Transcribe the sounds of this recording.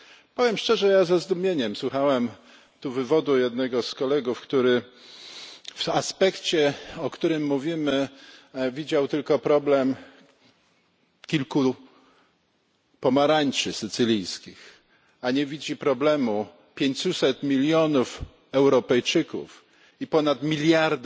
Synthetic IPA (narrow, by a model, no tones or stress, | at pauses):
pɔvʲjɛmʂt͡ʂɛʐɛjazazd̪umʲjeɲɛmswuxawɛm | t̪uvɘvɔd̪ujɛd̪nɛɡɔskɔlɛɡufkt̪uɾɘ | faspɛkt͡ɕɛɔkt̪uɾɘmːuvʲimɘ | vʲid͡ʑawt̪ɘlkɔpɾɔblɛm | kʲilku | pɔmaɾaɲt͡ʂɘsɘt̪sɘlʲijskʲix | aɲɛvʲid͡ʑipɾɔblɛmu | pʲjeɲt͡ɕusɛt̪mʲilʲjɔnuf | ɛwɾɔpɛjt͡ʂɘkṵf | ipɔnat̪mʲilʲjaɾd̪